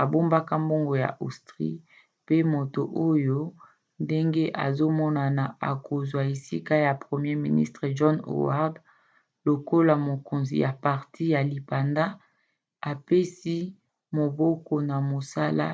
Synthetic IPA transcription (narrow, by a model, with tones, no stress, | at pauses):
a˨bo˦mba˦ka˦mbo˦ŋɡo˨ja̰˨ʔo̰˨stʁḭ˦ | pe˦mo˨to˨ʔo˦jo˦ | nde˦ŋɡe˦ʔa̰˨zo˦mɔ˦na˨na˨a̰˨ko˨zwa˨e˨sḭ˦ka˦ja˨pʁe˨mje˦mḭ˨nḭ˦stʁe˨ʒɔ˦no̰˨wa̰˦ʁd | lo˨ko˦la˨mo˨ko˨nzḭ˨ja˨pa˨ʁtʰi˦ja˨li˨pa˨nda˦ | a˨pe˦si˦ | mo˨bɔ˦ko˦na˨mo˨sa˦la̰˦